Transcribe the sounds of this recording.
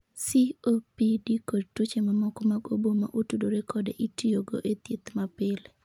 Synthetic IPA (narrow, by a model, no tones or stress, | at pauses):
siopidikotut͡ʃemamɔkɔmaɡoboma̰ʔutudoɾekʰɔdḛʔitioɡo̰ʔet̪it̪mapɪl